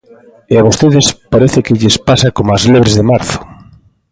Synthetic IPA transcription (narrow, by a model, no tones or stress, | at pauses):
eaβost̪eðɪspaɾeθɪkɪʎespasakomazleβɾezðemaɾθʊ̥